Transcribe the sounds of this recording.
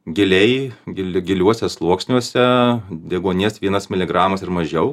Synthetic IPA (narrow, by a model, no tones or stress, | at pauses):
ɡʲɪlʲɛɪɡʲɪlʲɡʲɪlʲuɔsʲɛslˠuɔksʲnʲuɔsʲɛd̪ʲɛɡoːnʲesʋʲiɛnɐsmʲɪlʲɪɡɾɑːmɐsɪɾmɐʒʲɛʊ